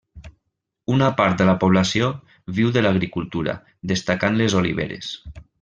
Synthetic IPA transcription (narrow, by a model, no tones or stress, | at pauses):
unapaɾt̪d̪əlapoβ̞lasio | βiwðəlaɣɾikulˠt̪uɾa̰ | ðest̪akanlezolḭβ̞ḛɾḛs